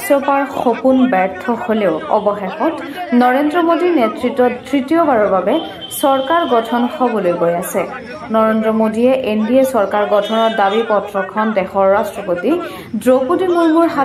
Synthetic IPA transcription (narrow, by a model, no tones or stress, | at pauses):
sɔpaɹxopunbɛɹtʰɔholeʊɔ̰bɔxexɔt | nɔɹendɹɔmodinetɹitːɔttɹitiɔbaɹɔɹbabɛ | sɔɹkaɹɡɔtʰɔnxɔbɔlojɡojasɛ | nɔɹendɹɔmodiɛʔenbiesɔɹkaɹɡɔtʰɔnɔɹdabipɔtɹɔkʰɔndɛxɔɹːastɹɔpoti | dɹopudimuɹmuɹɦa